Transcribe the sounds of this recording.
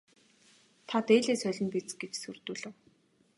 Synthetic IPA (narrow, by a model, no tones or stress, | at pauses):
t̪ʰat̪eːɮeːsœɮʲɞ̆mpit͡sɡet͡ɕsurt̪uːɮɘ̆w